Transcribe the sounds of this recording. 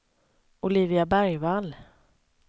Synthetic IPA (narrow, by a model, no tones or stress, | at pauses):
ʊliːvɪabæɾjval